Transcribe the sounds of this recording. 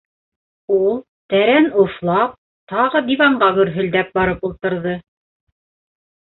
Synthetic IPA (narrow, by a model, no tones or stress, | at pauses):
ulˠ | t̪æɾænŏθlˠɑp̚ | t̪ɑʁɤd̪iβɑɴɢɑɡɵ̆ɾɦɵ̆ld̪æp̚bɑɾɤpulˠt̪ɤ̆ɾðɤ